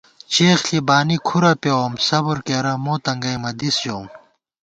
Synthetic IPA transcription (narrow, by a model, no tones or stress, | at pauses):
t͡ɕeːxɬibaːnikʰuɾɐpewomsɐbuɾkeɾɐmoːt̪ɐŋɡɐjmɐd̪isjoːm